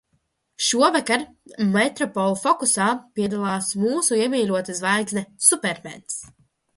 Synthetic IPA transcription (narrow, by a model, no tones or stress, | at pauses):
ʃuɔvakaɾ | mɛt̪ɾɔpɔlˠfɔkusaːpʲiɛd̪alˠaːsmuːsuiɛmʲiːlʲuɔt̪azvajɡznɛsupɛɾmɛ̰ns